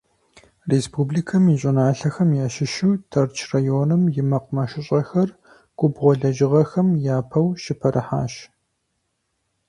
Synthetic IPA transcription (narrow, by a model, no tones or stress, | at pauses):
respʰuːbliːkʰɐmiɕʼɪnaːɬɐxɐmjaːʃɪʃuːtʰɐrt͡ʃʰrajoːnɨmjɪmɐqʷʼʊmɐʃɪɕʼɐxɐr | ɡ̥ʷʊbʁʷɔɮɐʒɪʁɐxɐmjaːpʰɐwʃɪpʰɐɾʔɨħa̰ːʃ